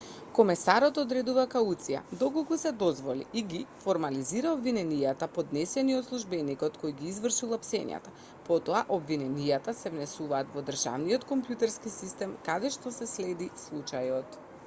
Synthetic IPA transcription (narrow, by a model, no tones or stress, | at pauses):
kɔmɛsaɾɔt̪ɔd̪ɾɛd̪uvakaut̪sija̰d̪ɔkolˠkusɛd̪ɔzvɔlḭʔiɡifoɾmaliziɾaobvinɛnijat̪apod̪nɛsɛniot̪slˠuʒbɛnikɔt̪kojɡiːzvr̩ʃilˠapsɛ̰ɲ̰a̰t̪a | pɔt̪ɔaʔobvinɛnijat̪asɛvnɛsuvaːt̪vɔd̪r̩ʒa̰vnijɔt̪kɔmpjut̪ɛɾskisist̪ɛmkad̪ɛʃt̪ɔsɛslɛd̪islˠut͡ʃajɔt̪